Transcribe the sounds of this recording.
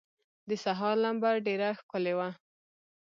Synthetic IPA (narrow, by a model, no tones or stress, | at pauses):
d̪əsaɦɑɾlambaɾɖeɾaxkʊlewa